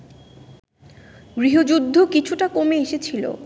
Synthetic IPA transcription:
ɡɾiɦod͡ʑud̪ʱːokit͡ɕʰuʈakomeeʃet͡ɕʰilo̰

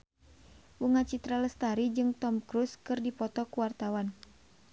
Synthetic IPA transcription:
wuŋat͡ʃit̪ɾaləst̪aɾid͡ʒɨŋt̪ɔmkɾuskɨrdipɔt̪ɔkuwart̪awan

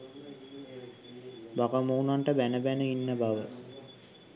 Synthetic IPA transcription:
bakamoːunaɳʈəbænəbænəinːəbaʋə

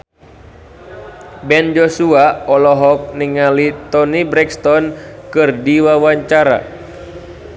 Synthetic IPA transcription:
bɛnd͡ʒɔsuaɔlɔɦɔk̚niŋalit̪ɔnibɾɛkst̪ɔnkɨrdiwawaɲt͡ʃaɾa̰

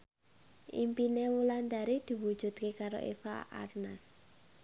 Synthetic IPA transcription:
ʔḭmpinewuland̪aɾid̪̥i̤wud̥ʒ̥ṳt̪̚kekaɾo̰ʔḛfa̰ʔa̰rnas

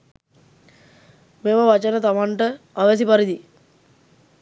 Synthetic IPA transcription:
meməʋat͡ʃənət̪amaɳʈə | aʋes̬ipaɾid̪i

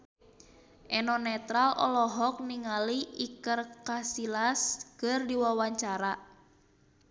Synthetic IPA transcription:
ʔɛnɔnɛt̪ɾalɔ̰lɔɦɔk̚niŋaliikərkasilaskɨrdiwawaɲt͡ʃaɾa

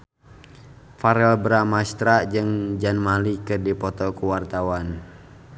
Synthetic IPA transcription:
faɾɛlbɾamast̪ɾad͡ʒɨŋd͡ʒanmalikɨrdipɔt̪ɔkuwart̪awan

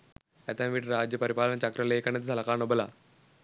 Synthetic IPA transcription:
ɛt̪ãʋiːʈɾad͡ʑjəpəɾipalənət͡ɕakɾəlekaɳet̪d͡zʱalakaɳobəla

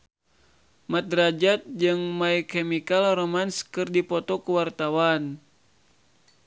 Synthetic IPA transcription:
mat̪̚ɾad͡ʒat̪̚d͡ʒɨŋmaikɛmikalromanskɨrdipɔt̪ɔkuwart̪awan

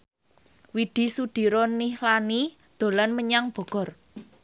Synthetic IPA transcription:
wid̪̥i̤suɖ̪̥i̤ɾɔnihlani | d̪̥o̤lanməɲaŋb̥ɔ̤ɡ̥ɔ̤r

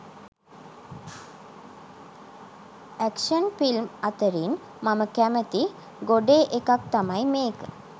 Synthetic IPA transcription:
ækʂənfilmat̪əɾin | maməkæmət̪i | ɡoɖeːʔekak̚t̪amajmeːkə

